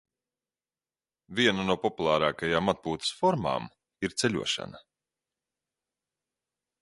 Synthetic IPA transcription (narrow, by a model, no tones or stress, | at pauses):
vʲiɛnanuɔpɔpulˠaːɾaːkajaːmat̪̚puːt̪ɐ̥sfɔɾma̰ːm | iɾt̪sɛlʲṵɔʃa̰nɐ